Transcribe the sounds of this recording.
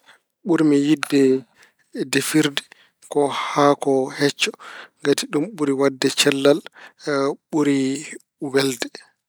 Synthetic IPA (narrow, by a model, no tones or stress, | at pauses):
ɓuɾmijidːɛ | defiɾdɛ | kɔhakɔhɛt͡ʃːɔ̥ŋɡatiɗumɓuɾiwadːɛt͡ʃɛlːal | ɓuɾi | wɛldɛ